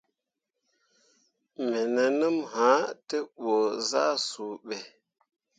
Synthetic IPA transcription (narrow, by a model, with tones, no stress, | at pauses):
me˨ne˨nɨ˦mha˨˦te˦ɓo˨za˦su˨ɓe˨